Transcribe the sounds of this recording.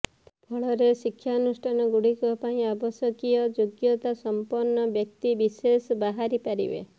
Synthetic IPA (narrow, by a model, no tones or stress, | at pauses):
pʰɔɭɔɾesikʰːjaɔnusʈʰanɔɡuɽikɔpaĩabɔsjɔkijɔd͡ʒoɡjɔt̪asɔmpɔɾnːɔbjɔk̚t̪ibisesbaɦaɾipaɾḭbḛ